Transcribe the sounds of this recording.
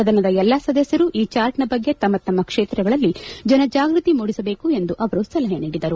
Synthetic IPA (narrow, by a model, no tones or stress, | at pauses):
ɐd̪ʱɐnɐd̪ɐɛlːasɐd̪ɐsjɐɾuʔiːt͡ʃaːɾʈnɐbɐɡːe̞t̪ɐmːɐt̪ːɐmːɐkʂeːt̪ɾɛɡɐɭɐlːid͡ʒɐnɐd͡ʒaːɡɾut̪imuːɽisɐbe̞ːkue̞nd̪uʔɐʋɐɾusɐlɐɦeniːɽid̪ɐɾu